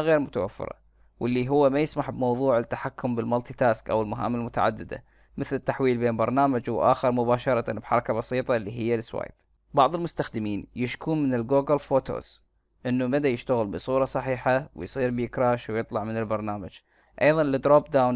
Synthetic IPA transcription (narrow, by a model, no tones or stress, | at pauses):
ɣeːɾmʊt̪awa̰fːɪ̰ɾˤɑ̰ | wʔɪlːiɦʊwːamajɪsmaħbmɑwðˤuːʕɪt̪ːaħakːʊmbɪlmalt̪it̪aːskʔa̰wɪlmʊɦa̰ːmːɪlmʊt̪a̰ʕa̰d̪ːɪd̪a̰ | mɪθlɪt̪ːaħwiːlbeːnbɑɾˤnaːmad͡ʒwʔa̰ːxɪɾmʊbaːʃɑɾˤɑt̪abħɑɾˤɑkabɑsˤiːt̪ˤɑlːiɦɪjːalɪswa̰ːjb̥̚ | bɑʕðˤɪlmʊst̪axd̪ɪmiːnjɪʃkuːnmɪnɪlɡoːɡalfoːt̪ʰo̰z̥ | ʔɪnːumad̪ajɪʃt̪aɣɪlbɨsˤuːɾˤɑsˤɑħiːħawɪ̰jsˤiːɾbjɪkɾɑːʃwjɨt̪ˤlɑʕmɪnɪlbɑɾˤnaːmad͡ʒ | ʔɑjðˤɑnlɪd̪ɾoːbd̪awn